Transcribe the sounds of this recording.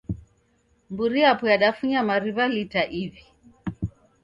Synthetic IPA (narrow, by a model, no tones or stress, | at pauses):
mbuɾiapujaɗafuɲamaɾiβalitaʔivi